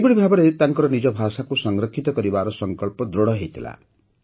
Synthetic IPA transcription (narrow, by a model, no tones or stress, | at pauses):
buɽibʱabɔɾet̪aŋkɔɾɔnid͡ʒɔbʱasakusɔŋɡɾɔkʰːit̪ɔkɔɾibaɾɔsɔŋkɔɭpɔd̪ɾoɽɔɦejt̪ʰila̰